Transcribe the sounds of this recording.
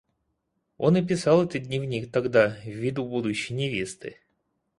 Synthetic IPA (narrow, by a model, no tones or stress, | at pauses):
o̞nəp̬ʲɪsɑlˠɛt̪əd̪ʲnʲɪvnʲik̚t̪ɐɡd̪avʲid̪ubud̪ʊɕːɪjnʲɪvʲest̪ɨ̰